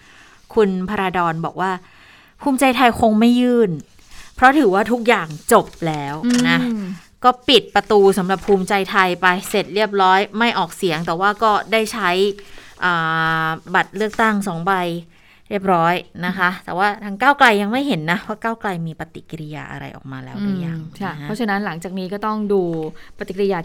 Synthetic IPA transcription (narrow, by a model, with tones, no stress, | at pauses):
kʰu˧npʰa˧ɾaː˧dɔː˧nbɔː˨˩k̚waː˥˩ | pʰuː˧mt͡ɕa˧jt̪ʰa˧jkʰo˧ŋma˥˩jːɯː˥˩n | pʰɾɔ˦˥t̪ʰɯː˩˦waː˥˩t̪ʰu˦˥k̚jaː˨˩ŋt͡ɕo˨˩p̚lɛː˦˥wna˦˥ | kɔː˥˩pi˨˩t̪̚pɾa˧t̪uː˧sa˩˦mɾa˨˩pʰuː˧mt͡ɕa˧jt̪ʰa˧jpa˧jse˨˩t̪̚ɾi˥˩əp̬̚ɾɔː˦˥jma˥˩jʔɔː˨˩k̚si˨˩˦əŋt̪ɛː˨˩waː˥˩kɔː˥˩daː˥˩jt͡ɕʰa˦˥jʔɤː˨˩ba˨˩t̪̚ɾɯ˥˩ək̚t̪a˥˩ŋsɔː˩˦ŋba˧j | ɾi˥˩əp̬̚ɾɔː˦˥jna˦˥kʰa˦˥t̪ɛ̰ː˨˩waː˥˩t̪ʰa˧˥ŋkaː˥˩wkla˧jːa˧ŋma˥˩jɦe˩˦nːa˦˥waː˥˩kaː˥˩wkla˧jmiː˧pa˧t̪ḭ˨˩ki˧ɾi˦˧ja̰ː˧ʔa̰˧ɾa̰˧jʔɔ̰ː˨˩k̚maː˧lɛː˦˥wʔa˧˩ja˨˩ŋkʰa˦˧˥ɔ˦˥a˧na˦˥nla˩˦ŋt͡ɕaː˨˩k̚niː˦˥kɔː˥˩t̪ɔ˥˩ŋduː˧pa˧t̪i˨˩kɾi˧jaː˧